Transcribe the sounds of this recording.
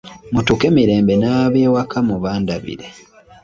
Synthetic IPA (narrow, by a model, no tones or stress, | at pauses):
mutuke̞miɾe̞ːmbe̞naβeːwakʰamuβaːndaβḭɾe